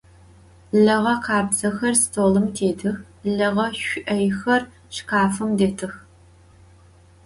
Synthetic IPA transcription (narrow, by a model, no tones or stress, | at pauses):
ɮɐʁɐqʰɑːbzɐxɐrstʰoːlɨmtʰeːdʰɨx | ɮɐʁɐɕʷʊʔɐjxɐr | ʃqaːfɨmdetʰɨx